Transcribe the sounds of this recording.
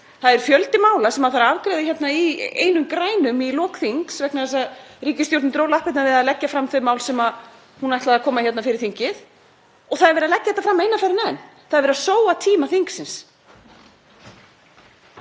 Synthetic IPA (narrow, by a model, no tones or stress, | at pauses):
θaðɛɾ̥fjœlt̪ɪmaːwlasɛmaθaɾavkɾɛjðɪçjɛt̪naiḛːjnʏmkɾaːjnʏmilɔːkθiŋksvɛknaðɛs̬aðriːcɪst̪jowɾt̪nɪt̪ɾowlahpɪt̪navɪðaðlɛcːafɾamːθʏmaːwlsɛma | hunajht̪laðakʰɔːmaçjɛt̪nafɪɾɪɾ̥θiɲcɪθ | ɔɣθaðɛɾvɛɾalɛcːaθɛt̪ːafɾamːejnafajɾɪnanː | θaðɾvɛɾasoːwat̪ʰiːmaθiŋksɪns